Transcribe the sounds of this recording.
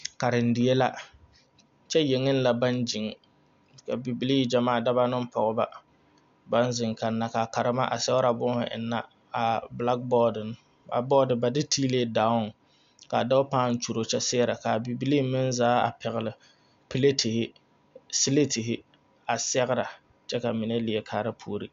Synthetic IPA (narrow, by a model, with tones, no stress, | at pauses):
ka˨ɾɪ˨n̩˨dɪ˨e˦la˦ | t͡ʃɛ˦je˨ŋɪ˦n˦la˨ba˦nd͡ʒɪ˨ŋ˨ | ka˨bi˨bi˨li˦˨d͡ʒa˨maː˦˨da˦ba˦nɨ˦m˦pɔ˨ɣʊ˦ba˦ | ba˦nzɪ˨ŋka˨nːa˨ka˨ka˨ɾɨ˦ma˦ʔa̰˨sɛ˦ʊ˦ɾa˨bʊ˦hʊ̰˨ʔɪ̰˨nːa˦ | a˨bla˦k̚bɔ˦dɨ˨n˦ | ba̰˨bɔː˦dɨ˨ba˨dɪ˦tʰi˦le˦da˨˦ʊ˦n˨ | ka˨da˦ʊ˦pa˦˨n̩˦t͡ʃu˨ɾo˨t͡ʃɛ˦sɪ˦ɾa˨ka˨bi˨bi˦li˦mɪ˦n˦zaː˦a̰˨pɛ˨ɣɪ˨lɪ˨ | pi˦le˦tʰɪ˨hɪ˦ | si˦le˦tɪ˨ɦɪ˦ | a˨sɛ˦ɣɾa˨ | t͡ʃɛ˦ka˨mɪ˨nɛ˦lɪ˨ɛ˨kʰaː˨˦ɾɨ˦pʰuː˦ɾi˦